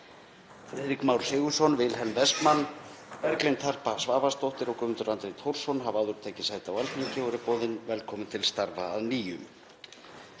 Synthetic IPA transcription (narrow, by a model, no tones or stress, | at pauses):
fɾeːðɾikmawɾ̥sɪːɣʏsɔnvɪlɦɛlnvɛskmanːvɛɾklejnt̪ʰar̥pasvaːvast̪owht̪ɪɾɔkʏmɪnt̪ʏɾant̪ɾejt̪ʰowɾ̥sɔnɦavaːðʏɾ̥t̪ʰaːcɪsaːjt̪ɪawalt̪icʰɪɔɾɪpɔːðɪnvɛlkʰɔːmʏnt̪ʰɪlst̪aɾvaːðniːjʏm